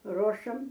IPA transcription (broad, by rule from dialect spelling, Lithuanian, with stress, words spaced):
ˈroːʃɐm